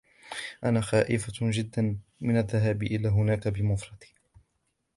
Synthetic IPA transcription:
ʔanaːxaːʔɪfad͡ʒɪd̪ːanmɪnaðːaɦaːbɪʔɪlaːɦʊnaːkabɪmʊfɾˤɑd̪̥i̥

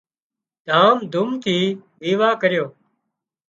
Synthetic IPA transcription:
d̪̥ʱaːmd̪ʱʊmt̪ʰiːʋiːʋaːkəɾjoː

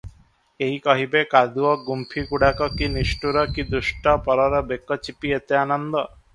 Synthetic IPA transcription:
eɦjkɔɦibekad̪uɔɡumpʰikuɽakɔkiniʃʈuɾɔkid̪ɾuʃʈɔpɔɾɔɾɔbekːɔt͡ɕipiet̪eanɔnd̪ɔ

